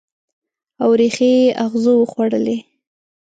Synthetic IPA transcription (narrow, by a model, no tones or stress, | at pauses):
awɾexeeʔaɣzowəxwaɽəle